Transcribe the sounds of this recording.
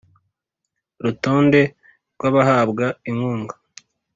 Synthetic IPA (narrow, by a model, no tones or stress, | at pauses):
ɾutoːnde̞ | ɾɡwaβaɦaːbɡaiŋhuːŋɡḁ